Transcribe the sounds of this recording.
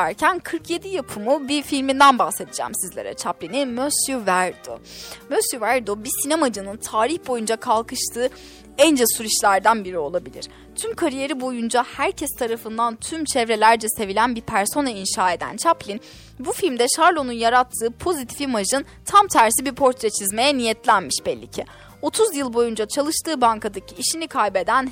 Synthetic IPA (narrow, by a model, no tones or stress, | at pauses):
æɾcʰænkʰɯɾkʰje̞d̪ijapʰɯmubifilʲmind̪ænbahse̞d̪id͡ʒɛ̰msizlʲe̞ɾɛ̰t͡ʃʰaplʲinimøsjyvæɾd̪o̰møsjyvæɾd̪obisinemad͡ʒɯnɯnt̪ʰaːɾiçbo̞jund͡ʒakʰalˠkɯʃt̪ʰɯː | ɛnd͡ʒɛsuɾiʃlʲæɾd̪ænbiɾio̞lˠabilʲḭɾ̥ | t̪ʰymkʰaɾije̞ɾibo̞jund͡ʒahæɾcʰɛst̪ʰaɾafɯnd̪ant̪ʰymt͡ʃʰɛvɾe̞lʲæɾd͡ʒɛse̞vilʲænbipʰæɾso̞nainʃaːe̞d̪æ̰nt͡ʃʰaplʲin | bufilʲmd̪ɛʃaɾlˠo̞nunjaɾat̪ʰːɯːpʰo̞zit̪ʰi̥fimaʒɯn | t̪ʰamt̪ʰæɾsibipʰo̞ɾt̪ʰɾet͡ʃʰizme̞jɛnijɛt̪lʲænmiʃbɛlʲːḭcʰɛ | o̞t̪ʰuzjɯlˠbo̞jund͡ʒat͡ʃʰalˠɯʃt̪ʰɯːbaŋkad̪acʰiːʃinikʰajbe̞d̪æn